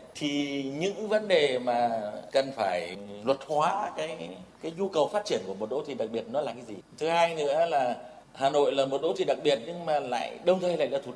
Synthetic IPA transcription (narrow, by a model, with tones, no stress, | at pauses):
t̪ʰi˨˩ɲɨ̰˧˥ŋvə˨˦nɗe˨˩maː˨˩kə˨˩nfaː˧˩jlwə˨˩t̚hwaː˨˦kaː˨˦jkaː˨˦jɲu˧kə˨˩wfaː˦˥t̚t͡ɕi˧˩ənku˧˩əmo˨˩t̚ɗo̰˧˥t̪ʰi˨˩ɗa˨˩k̚ɓi˨˩ət̚nɔ˨˦laː˨˩kaː˨˦jzi˨˩t̪ʰɨ˨˦haː˧jnɨ̰˧˥əlaː˨˩ | haː˨˩no̰˧˨jlaː˨˩mo˨˩t̚ɗo̰˧˥t̪ʰi˨˩ɗa˨˩k̚ɓi˨˩ət̚ɲɨ˧ŋmaː˨˩la̰ː˧˨jɗə˧wŋ͡mt̪ʰə˧jla̰ː˧˨jlaː˧˩t̪u˨˧˩